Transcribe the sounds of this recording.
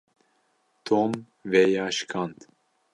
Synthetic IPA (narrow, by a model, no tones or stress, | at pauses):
t̪ʰom | vɛjɑːʃkʰɑnt̪